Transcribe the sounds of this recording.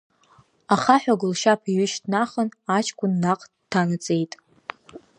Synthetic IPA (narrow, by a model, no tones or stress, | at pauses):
aχaħʷᶣaɡʷʊlʃapʰiɥʏʃtʰnaχənat͡ʃʰkʷʰʼʊnːaqʼ | tʰːanɨt͡sʼe̞jtʼ